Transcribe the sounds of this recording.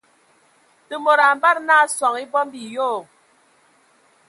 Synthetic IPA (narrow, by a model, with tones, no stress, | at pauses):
tə˨mo˨ɾa˨m˦ba˦ɾna˦swɔ˨ŋi˦bɔ˦m˦bi˨joː˦˨